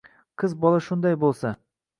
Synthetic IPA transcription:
qʰɤzbɒlˠaʃʊnd̪ɑjbolˠsa

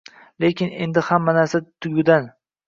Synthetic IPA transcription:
le̞kʲʰɪne̞̰nd̪ɪhamːanaɾsat̪ʰʊɡʲʊd̪an

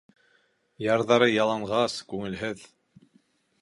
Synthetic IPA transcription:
jɑɾðɑɾɤjɑlˠɑɴʁɑskʉŋɘ̆lɦɘð

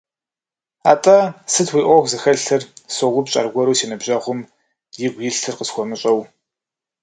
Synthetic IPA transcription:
a̰ːtʼɐsɨtʰwiːʔʷɔxʷzɨxɐɮɬʰɨrsoʁʷʊpɕʼɐ̰rɡʷɔɾuːsiːnɐbʑɐʁʷʊm | jɪɡʷjɪɬtʰɨrqəsxʷɔmɨɕʼɐw

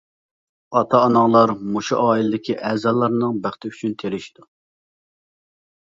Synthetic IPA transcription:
ɑt̪ʰɑːnɑŋlˠɑɾmuʃuʔɑːilˠɪd̪ɪkʲʰiʔɛːzɑlˠːɑɾnɨŋbæχt̪ɪyt͡ʃʰynt̪ʰeɾɪʃi̥d̪̥u

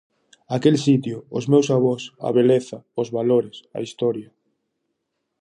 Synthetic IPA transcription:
akelsit̪jʊʊzmewsaβ̞ɔsa̰βeleθaʊzβaloɾɪsa̰ist̪ɔɾjɐ

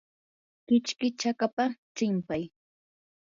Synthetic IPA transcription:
kɪt͡ʃkɪt͡ʃakapat͡ʃɪmpaj

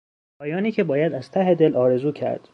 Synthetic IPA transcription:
pʰɒːjɒːniːcʰebɒːjæd̪æz̥t̪ʰæɦed̪elʔɒːɾe̞zuːcʰæ̰ɾd̪̥

